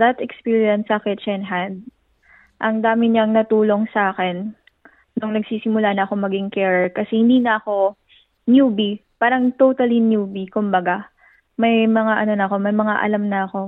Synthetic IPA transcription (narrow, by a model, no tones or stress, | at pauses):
d̪ɐt̪ɛkspiːɹjjɐnsɐkɛt͡ʃɛnɦɐnd̪̚ | ʔɐŋd̪aːmɪɲɐŋnɐt̪uːlo̞ŋsɐʔaːkɛnː | oŋnɐɡsiːsɪmʊlanɐʔɐko̞mɐɡɪŋkɛːɹɛɹkɐsɛhɪnd̪iːnɐɐko̞ | njuːbipaːɾɐŋt̪ot̪ɐlinjuːbikʊmbɐɡa | mɐjmɐŋaʔɐno̞nɐɐko̞mɐjmɐŋaʔɐ̰lamnɐʔɐko̞